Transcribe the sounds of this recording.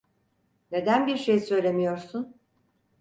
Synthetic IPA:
ne̞d̪ænbiɾʃejsø̞jlʲe̞mijo̞ɾsun

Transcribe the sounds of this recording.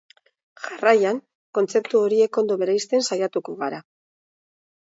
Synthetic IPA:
ʝarajaŋ | ko̞nt͡se̞p̚t̪uo̞ɾie̞ko̞nd̪o̞βe̞ɾejst̪e̞nsajat̪ukoɣaɾa

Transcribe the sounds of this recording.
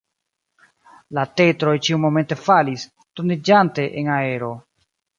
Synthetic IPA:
late̞tɾo̞jt͡ʃiumo̞me̞nte̞falis | tonid͡ʒante̞ʔenae̞ɾo̞

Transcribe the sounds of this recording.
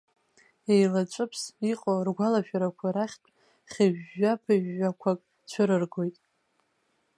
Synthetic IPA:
ejlat͡ʃʷʼɨpʰsiqʼorɡʷalaʃᶣaɾakʷʰaɾaχʲtʰʼ | χʲaʒᶣːapʰaʒːakʷʰakʼ | t͡ʃʷʰʊɾɨrɡo̞jtʼ

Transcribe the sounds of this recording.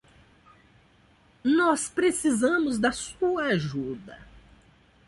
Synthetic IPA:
nɔspɾesizɐ̃mʊzd̪ɐsuɐaʒud̪ɐ

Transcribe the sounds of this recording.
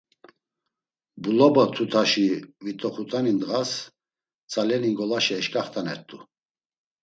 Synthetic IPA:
bulɔbɔt̪ʰut̪ʰaʃivit̪ʼɔχut̪ʼanind̪ʁas | t͡sʼalɛniŋɡɔlaʃɛːʃkʼaχt̪ʰʼanɛɾt̪ʼu

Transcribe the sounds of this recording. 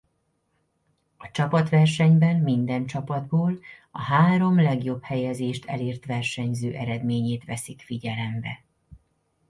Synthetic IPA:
ɒt͡ʃɒpɒt̪ʋɛrʃɛɲbɛnmind̪ɛnt͡ʃɒpɒd̪boːlɒɦaːɾo̞mlɛɡjo̞bhɛjɛzeːʃt̪ʰɛ̰leːrt̪ʋɛrʃɛɲzøːʔɛɾɛd̪meːɲeːt̪ʋɛsikfiɟɛlɛmbɛ

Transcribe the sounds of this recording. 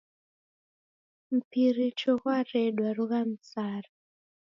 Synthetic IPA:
m̩pirit͡ʃokwareɗwarukam̩saːra

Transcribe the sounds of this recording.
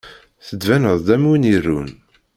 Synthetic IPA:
θəd̪vænəðˤd̪æmunirːun

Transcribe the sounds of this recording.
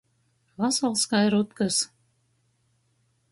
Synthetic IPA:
vɑsɑlˠskɑjɾut̪kɤs

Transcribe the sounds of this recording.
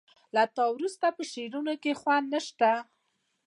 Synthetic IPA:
lat̪ɑwɾust̪apəʃeɾunokexwanːəʃt̪a

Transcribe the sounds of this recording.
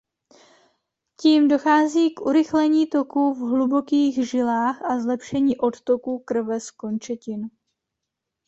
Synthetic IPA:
ciːmdo̞xaːziːkʔuɾɪxlɛɲiːt̪o̞kuvɦlubo̞kiːɣʒɪlaːxʔazlɛpʃɛɲiːʔo̞t̪t̪o̞kuːkr̩vɛsko̞nt͡ʃɛcɪn

